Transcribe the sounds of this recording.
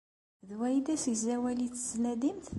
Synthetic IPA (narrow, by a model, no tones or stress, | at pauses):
ðwæjd̪æsəɡzæwælit͡sːəznæd̪imθ